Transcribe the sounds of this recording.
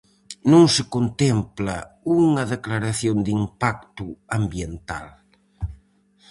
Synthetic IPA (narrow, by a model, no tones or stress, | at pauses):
nõŋsɪkont̪emplɐ̰uŋɐðeklaɾaθjond̪impak̚t̪ʊambjent̪a̰l